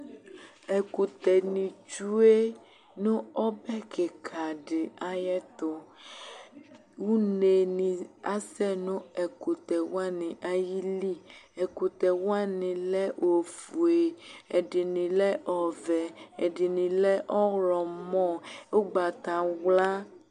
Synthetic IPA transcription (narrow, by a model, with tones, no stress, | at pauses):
e˨ku˨t̪ɛ˨nĩ˨t͡ʃu˦e˦ | nũ˦ɔ˦bɛ˦kʰe˨kʰa˨ɖɪ˨a˦jɛ˦t̪o˨ | wu˦ne˨nĩ˨a˦sɛ˦nũ˦e˨ku˨t̪ɛ˨wa˦nĩ˨ʔa˦ji˦li˦ɛ˨ku˨t̪ɛ˨wo˦a˦nĩ˨lɛ˦wʔo˨fu˨e˨e˨ɖi˨nĩ˨lɛ˦ʔɔ˨vɛ˨e˨ɖi˨nĩ˨lɛ˦ʔɔ˦ɣlɔ˨mɔ̃˦wo˦ɡ͡ba˨t̪ã˨wla˦